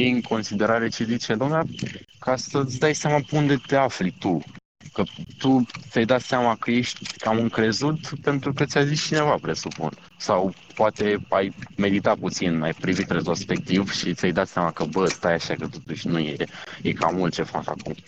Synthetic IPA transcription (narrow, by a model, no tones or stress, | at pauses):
jeɨŋko̞nsid̪e̞ɾaɾe̞t͡ʃezit͡ʃed̪oamnakasət̪sʲd̪ajseamapeund̪e̞t̪e̞aflit̪u | kət̪ut̪sʲajd̪at̪seamakəje̞ʃt̪ʲkamɨŋkɾe̞zut̪pe̞nt̪ɾukət̪ʲajzist͡ʃine̞vapɾe̞supṵn | saw | poat̪e̞ajme̞d̪it̪aput̪sinmajpɾivit̪re̞t̪ɾo̞spe̞k̚t̪ivʃit̪ʲajd̪at̪seamakəbəst̪ajaʃakət̪o̞t̪uʃʲnujejeka̰mult̪̚t͡ʃe̞fa̰ka̰kṵm